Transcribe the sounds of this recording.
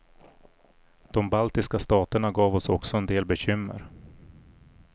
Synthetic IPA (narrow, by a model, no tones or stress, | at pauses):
d̪̥ɔmbalt̪ɪskast̪ɑːt̪əɳaɡɑːvɔsɔksɔɛnd̪eːlbɛɕʏmːə̰ɾ